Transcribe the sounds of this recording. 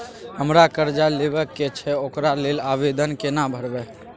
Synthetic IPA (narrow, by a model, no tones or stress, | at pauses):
həmɾakəɾd͡ʒalebəkːet͡ʃʰɛokɾalelabed̪ʱənkenabʱəɾbɛ